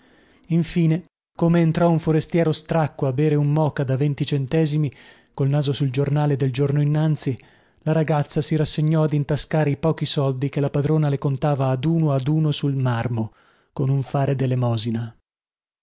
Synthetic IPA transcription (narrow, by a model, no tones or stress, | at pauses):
iɱfiːne | komeːnt̪ɾɔuɱfoɾest̪jɛːɾost̪ɾakːoabɛːɾeumːɔːkad̪avent̪it͡ʃent̪ɛːzimi | kolnaːzosuld͡ʒornaːled̪eld͡ʒornoinːant̪si | laɾaɡat̪sːasiɾasːeɲːɔad̪int̪askaːɾeipɔːk̟isɔld̪ikelapad̪ɾoːnalekont̪aːvaːd̪uːnoad̪uːnosulmarmo | konuɱfaːɾed̪elemɔːzina